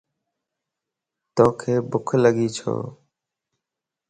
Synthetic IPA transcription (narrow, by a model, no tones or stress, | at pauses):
t̪oːkʰeːbʊkʰləɠiːt͡ʃʰo̰ː